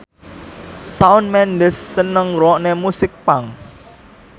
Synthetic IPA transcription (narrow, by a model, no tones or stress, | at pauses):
saʊnmɛndəsːənəŋɾɔʔnemusɪk̚paŋ